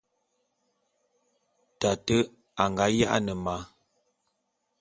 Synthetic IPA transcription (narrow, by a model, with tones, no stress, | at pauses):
ta˨tə˦ | a˨ŋɡa˦ja˦ʔa̰˦nə˨ma˨˦